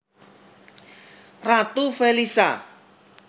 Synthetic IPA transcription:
rat̪ufelisa

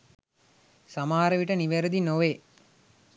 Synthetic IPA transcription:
samaːɾəʋiʈəniʋeɾəd̪inoʋe

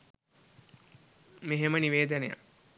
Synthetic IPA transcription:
meɦeməniʋeːd̪əneja̰

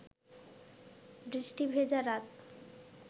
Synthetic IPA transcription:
bɾiʃʈibʱed͡ʑaɾat̪

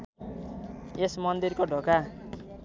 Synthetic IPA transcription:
esmʌnd̪irkoɖʱoka

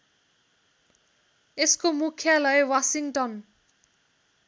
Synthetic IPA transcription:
eskomukʰjalʌjwasiŋʈʌn

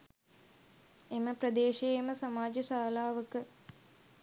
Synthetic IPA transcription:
eməpɾəd̪eːʃeeməsamaːd͡ʒəsaːlaːʋəkə

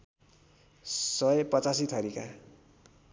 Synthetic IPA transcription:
sʌjpʌt͡sasit̪ʰʌɾika̰

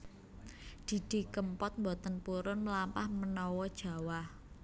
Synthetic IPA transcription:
d̪̥i̤d̥i̤kəmpɔt̪̚mbɔt̪ənpuɾʊnməlampahmənɔwɔd̥ʒ̥ä̤wah

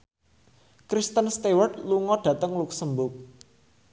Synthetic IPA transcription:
kɾist̪ənst̪ewərd̪luŋɔɖ̥ä̤t̪əŋluksəmbʊk̚

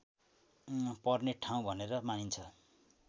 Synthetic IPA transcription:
pʌrneʈʰaw̃bʱʌneɾʌmanint͡sʰʌ

